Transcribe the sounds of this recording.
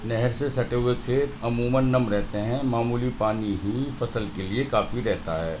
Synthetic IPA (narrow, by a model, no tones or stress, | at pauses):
nɛɦɛɾsesɐʈeːek̪fʰeːt̪ɐmuːmənːɐmɾɛɦt̪eɦɛ̃maːmuːlipaːniɦifɐsəlkeliekaːfiɾɛɦt̪aɦɛː